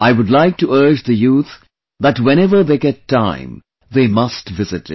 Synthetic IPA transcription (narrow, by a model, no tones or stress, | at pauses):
aɪwʊdlaɪk̚tuɜ˞d͡ʒd̪əjuːt̪ | ðætwɛ̃nɛʋə˞ðeːɡɛtʰːã̰ɪ̃m | ðeːmʌstʋɪzɪɾɪ̰